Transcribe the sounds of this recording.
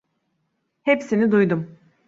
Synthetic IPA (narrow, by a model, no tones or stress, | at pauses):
hepsinid̪ujd̪um